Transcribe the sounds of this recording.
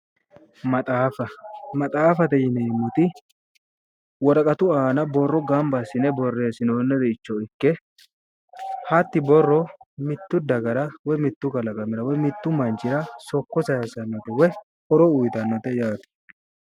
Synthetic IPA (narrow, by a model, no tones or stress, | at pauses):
mɐt̪ʼaːfɐmɐt̪ʼaːfɐt̪ɛjɪnɛɪmːɔt̪ɪ | wɔɾɐkʼɐt̪ʊaːnɐbɔrːɔɡɐmbɐsɪnɛbɔrːeːsɪnoːnːɛd̪ɛɪt͡ʃːɔɪkːɛ | hɐt̪ːɪbɔrːɔmɪt̪ːʊd̪ɐɡɐɾɐwɔjmɪt̪ːʊkɐlɐkʼɐmɪɾɐwɔjmɪt̪ːʊmɐnt͡ʃɪɾɐsɔkːɔsɐjɛsɐnːɔt̪ɛwɔ | hɔɾɔʊjt̪ɐnːɔt̪ɛjaːt̪ɪ̥